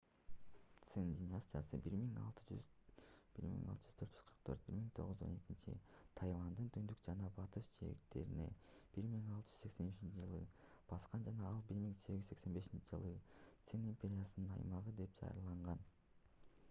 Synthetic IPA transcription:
t̪sendʲɪnasʲt̪ʲijasɯ̰biɾmiŋɑ̰lˠt̪ɯd͡ʒy | b̥iɾmḭŋɑ̰lˠt̪ɯ̥d͡ʒyz̥t̪ʰøɾt̪d͡ʒyzqʰɯ̥ɾq̚t̪ʰø̞ɾt̪̚biɾmiŋt̪ʰo̞̰ʁuzo̞̰ne̞kint͡ʃḭt̪ʰɑjvɑnd̪ɯnt̪ʰynd̪ykd͡ʒɑnɑbɑt̪ɯʃt͡ʃʰe̞̰kt̪e̞̰ɾḭne̞̰b̥iɾmiŋɑlˠt̪ɯ̥d͡ʒy̥zsekse̞nyt͡ʃint͡ʃid͡ʒɯlˠɯ | b̥ɑsqɑnd͡ʒɑnɑɑlˠbiɾmiŋse̞ɡʲɡiye̞kse̞nbe̞ʃint͡ʃid͡ʒɯlˠɯt̪senimʲpʲeɾʲijasɯnɯnɑ̰jmɑʁɯd̪e̞p̚d͡ʒɑ̰ɾlˠɑɴʁɑn

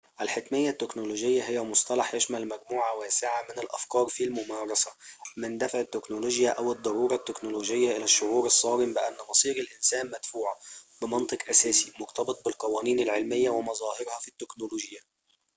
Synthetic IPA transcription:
ʔælħɪkmɪjːat̪ːɪknoloːd͡ʒɪjːaɦɪjːæmʊsˤt̪ɑlɑħj̪ɪʃmælmæɡmuːʕawæːsɪʕamɪnɪlʔa̰fkɑːɾˤfilmʊmɑːɾˤɑsamɪnd̪afʕɪt̪ːɪknoloːʒjaʔawɨd̪ˤːɑɾuːɾˤɑt̪ːɪknoloːd͡ʒɪjːaʔɪlæʃːʊʕuːɾɑsˤːɑːɾɪmbɪʔanːmɑsˤiːɾɪlʔɪnsæːnmæd̪̥fuːʕabɪmɑnt̪ˤɨqʔasæːsimʊɾt̪ɑbɨt̪̚ˤbɪlqɑwæːniːnɪlʕɪlmɪjːawɪmɑzˤɑːhɪɾhɑfit̪ːɪknoloːʒɪjːa

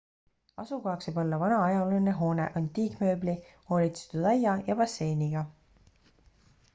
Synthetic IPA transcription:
ɑ̰sukɑɑksebolːɑvɑnɑɑjɑleneɦo̞ːnḛʔɑnt̪iːkmø̞ːbliho̞ːlʲit̪se̥t̪ud̪ɑjɑjɑbɑsːe̞jniɡ̥ɑ

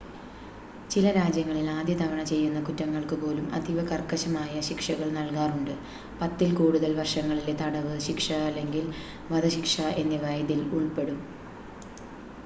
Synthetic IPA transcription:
t͡ɕilɐɾaːd͡ʑjɐŋːɐɭilaːd̪jɐt̪ɐʋɐɳɐt͡ɕe̞jːunːɐkutːɐŋːɐɭkɨpo̞ːlumɐ̰d̪ʱiʋɐkɐrkːɐɕɐmaːjɐɕikʂɐɣɐɭnɐlkaːruɳɖɨ | pɐt̪ːilkuːɽuðɐlʋɐrʂɐŋːɐɭilet̪ɐɽɐʋɨɕikʂɐːlːe̞ŋɡil | ʋɐd̪ɐɕikʂɐe̞nːeʋɐjðiluɭpe̞ɽum

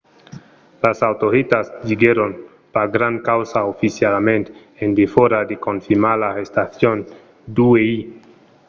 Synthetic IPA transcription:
lasawt̪oɾet̪asʎiɡeɾon | paɡɾaŋkawsaofisjalmẽnt̪ | end̪efoɾad̪ekonfiɾmaɾlaest̪aθjon | d̪uei

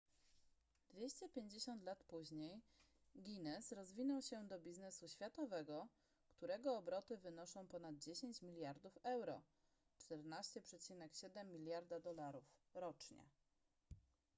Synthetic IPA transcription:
d̪̥vʲjeɕt͡ɕɛpʲjeɲd͡ʑeɕɔnt̪lat̪puʑɲej | ɡʲinɛsɾɔzvʲinɔwɕɛd̪ɔbʲiznɛsuɕfʲjat̪ɔvɛɡɔ | kt̪uɾɛɡɔːbɾɔt̪ɘvɘnɔʂɔ̃w̃pɔnad̪̚d͡ʑeɕeɲt͡ɕmʲilʲjaɾd̪ufɛwɾɔ̰ | t͡ʂt̪ɛɾnaɕt͡ɕɛpʂɛt͡ɕinɛkɕɛd̪ɛmːʲilʲjaɾd̪ad̪ɔlaɾufɾɔt͡ʂɲɛ̰

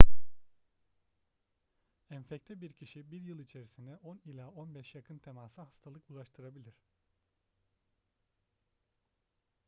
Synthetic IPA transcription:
ænfɛct̪ʰɛbiɾcʰiʃibiɾjɯlˠit͡ʃʰe̞ɾisind̪ɛʔonilʲaonbɛʃjakʰɯnt̪ʰe̞maːsahḁst̪ʰalˠɯkulˠaʃt̪ʰɯɾabilʲiɾ̝̥

